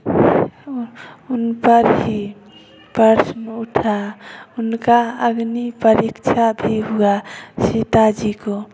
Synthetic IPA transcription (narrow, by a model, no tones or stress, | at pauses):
unpəɾɦi | pəɾsmeuʈʰaʊnkaəɡnipəɾikt͡ʃʰabʱiɦuasit̪ad͡ʒiko